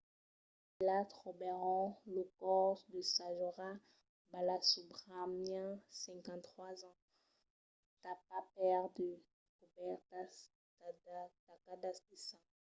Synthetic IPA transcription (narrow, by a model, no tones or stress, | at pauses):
ilat̪ʁɔbɛʁɔ̃ləkɔʁd̪əsãʒɔʁa | balasubʁamjɛ̃sɛ̃kɑ̃t̪χwazɑ̃ | t̪apapɛʁd̪ə | kubɛʁta | t̪akad̪ast̪isã